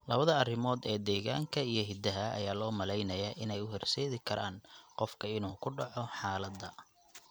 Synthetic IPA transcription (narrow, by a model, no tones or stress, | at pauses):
lɐβɐðɐɐrɪmɔːd̪ɛːd̪ɛːɣa̰ːŋkʰɐijɞɦɪd̪ɐɦɐɐ̰jaːlɔːmɐlɛjnɐjaːʔɪnɛjʊhɛrsɛːðɪkʰɐɾʔa̰ːnqɔfkʰɐɪnuːkʰʊɖɑʕɔħɑːlɐd̪ːɐ